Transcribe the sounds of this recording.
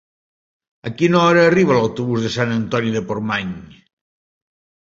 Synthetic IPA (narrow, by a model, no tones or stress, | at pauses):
akinɔɾaːriβ̞alawt̪oβuzðesanɐnt̪ɔnjiðepoɾmaɲ